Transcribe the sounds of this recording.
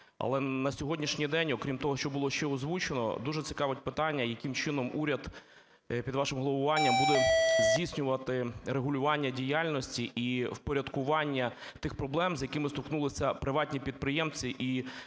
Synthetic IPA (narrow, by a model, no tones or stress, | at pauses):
ɐ̰lˠɛnɐsʲɔɦɔdʲnʲiʃnʲijd̪ɛnʲɔkɾʲimt̪ɔɦɔʃt͡ʃɔbʊlˠɔʃt͡ʃɛɔzʋut͡ʃenɔ̰d̪uʒɛt͡sʲɪ̥kɑʋɪt̚ʲpɪt̪ɑnʲːɐjɐkɪmt͡ʃɪnɔmuɾʲɐd̪ | pʲid̪ʋɑʃɪmɦlˠɔbʊʋɑnʲːɐmbud̪ɛzʲdʲisʲnʲʊʋɐt̪ɪɾeɦʊlʲʊʋɑnʲːɐdʲijalʲnɔsʲtʲiʔiwpɔɾʲɐd̪kʊʋɑnʲːɐt̪ɪxpɾɔblˠɛmzʲjɐkɪmɪst̪ɔknulˠɪsʲɐpɾɪʋɑtʲnʲipʲid̪̚pɾɪjɛmt͡sʲiʔi